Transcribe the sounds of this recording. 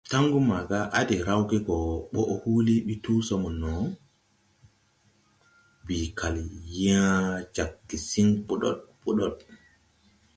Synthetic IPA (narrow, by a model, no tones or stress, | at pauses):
taŋɡumaɡaʔadɛɾawɡɛɡɔɓɔʔhuliɓituːsɔmɔnɔ | bikaljiad͡ʒakːisiŋpuɗɔ̰ɗpuɗɔɗ̚